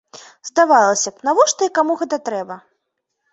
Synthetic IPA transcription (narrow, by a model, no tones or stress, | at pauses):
zd̪avalˠɐsʲɐpnavɔʂt̪ɐikamuɣɛt̪ɐt̪ɾɛbɐ